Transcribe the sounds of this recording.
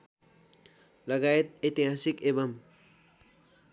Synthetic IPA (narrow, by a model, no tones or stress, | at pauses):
lʌɡaet̪̚et̪iɦasikebʌm